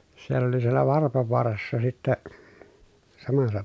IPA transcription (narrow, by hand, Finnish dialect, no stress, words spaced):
sielː oli sielːæ ʋɑrpoʋoɑrɑsːɑ sitːɛ sɑmɑsːɑ